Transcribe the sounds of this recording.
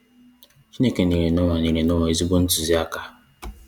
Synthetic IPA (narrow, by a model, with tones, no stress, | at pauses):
t͡ʃi˦ne˦ke˨ni˨ɾe˨nʊ˦ŋʷa˨ni˨ɾe˨nʊ˦ŋʷa˨i˦zi˦ɡ͡bo˦n̩˦tu˨zi˦a˦ka˦